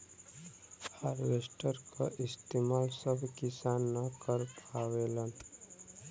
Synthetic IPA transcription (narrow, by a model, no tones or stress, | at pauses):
haːɾwesʈəɾka̰ʔɪst̪emaːlsəbʱkɪsaːnːəkəɾpaːwelən